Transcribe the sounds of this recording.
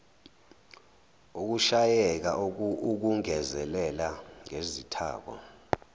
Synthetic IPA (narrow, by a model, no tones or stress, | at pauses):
uk̬uʃajɛk̬auk̬uŋɛzɛlɛlaŋezitʰa̰ːk̬wɔ̰